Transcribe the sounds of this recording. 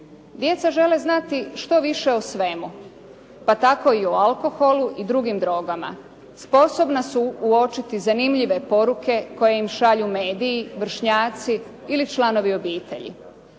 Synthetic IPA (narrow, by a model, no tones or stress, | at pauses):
d̪je̞t̪saʒe̞leznat̪iʃt̪o̞ʋiʃe̞osʋe̞mu | pat̪ako̞ioalko̞xo̞luʔid̪ɾuɡimd̪ɾo̞ɡama̰ | spo̞so̞bnasuːo̞t͡ʃit̪izanimʎiʋe̞po̞ɾuke̞ko̞jejimʃaʎumeːd̪ijːʋr̩ʃɲaːt̪siː | lit͡ʃlˠano̞ʋio̞biːt̪e̞̰ʎḭ